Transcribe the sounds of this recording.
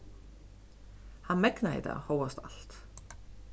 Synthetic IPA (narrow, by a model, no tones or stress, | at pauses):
hanmɛknaɪ̰t̪a̰hoːwast̪a̰l̥t̪